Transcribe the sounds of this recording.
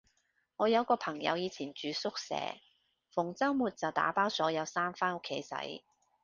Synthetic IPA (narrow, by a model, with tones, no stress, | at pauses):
ŋɔː˨˧jɐ˨˧wkɔː˧pʰɐ˨˩ŋjɐ̰˨˧wjiː˨˧t͡sʰiː˨˩nt͡ʃyː˨˧sʊ˥k̚sɛ̰ː˨˥ | fʊ˨˩ŋt͡sɐ˥wmuː˨t̚t͡sɐ˨wt̪a̰ː˨˥paː˥wsɔː˨˥jɐ˨˧wsaː˥mfaː˥nʊ˥kʰːe˨˥jsɐ̰˨˥j